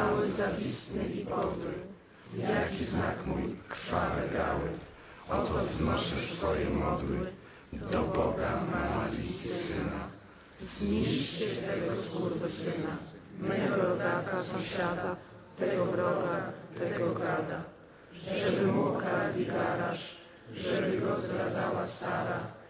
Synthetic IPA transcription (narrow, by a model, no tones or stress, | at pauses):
awɛzavʲist̪nɨʔipɔɾwɘ̰ | jakʲizna̰kmujkɾfaɾɛ̰ɡa̰wɛ | ɔt̪ɔznaʂɛsfɔjɛmɔd̪wɘ̰ | d̪ɔbɔɡamɔjḭsɘna̰ | zmit͡ɕɛt̪ɛɡɔskuɾd̪ɛsɘnamɛɡɔɡadasɔ̃ɕad̪a | t̪ɛɡɔɾɔɡat̪ɛɡɔɡad̪a | ʐɛbɘmɔkadʲiɡavaʃ | ʐɛbɘɡɔzɡɾad̪zawasaɾa